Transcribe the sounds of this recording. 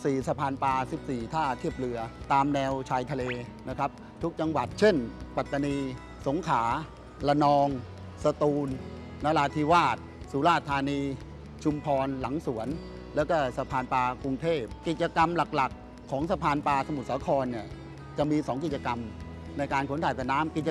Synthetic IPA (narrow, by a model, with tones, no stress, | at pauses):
siː˨˩sa˧pʰaː˧npaː˧si˨˩p̚siː˨˩t̪ʰaː˥˩t̪ʰi˥˩əp̚lɯ˧ɐt̪aː˧mnɛː˧wt͡ɕʰaː˧jt̪ʰa˧leː˧na˦˥kʰɾa˦˥p̚ | t̪ʰu˦˥k̚t͡ɕa˧ŋwa˨˩t̪̚t͡ɕʰe˥˩npa˨˩t̪ːa˧niː˧ | so˩˦ŋkʰaː˩˦ | la˧nɔː˧ŋ | sa˧t̪uː˧nː | a˦˥laː˧t̪ʰiː˧waː˥˩t̪̚suː˨˩˦laː˥˩t̪ʰːaː˧niː˧ | t͡ɕʰu˧mpʰɔː˧nla˩˦ŋsu˩˦ən | lɛː˦˥wkɔː˥˩sa˧pʰaː˧npaː˧ku˧ŋt̪ʰeː˥˩p̚ːi˨˩t̪̚t͡ɕa˧ka˧mla˨˩k̚la˨˩kʰː | ɔː˩˦ŋsa˧pʰaː˧npaː˧sa˧mu˨˩t̪̚saː˩˦kʰɔː˧nːi˥˩ɐ | t͡ɕa˨˩miː˧sɔː˩˦ŋk̬i˨˩t̪t͡ɕa˧ka˧m | na˧jkaː˧nkʰo˩˦nt̪ʰaː˨˩jt̪ɛː˨˩naː˦˥mki˨˩a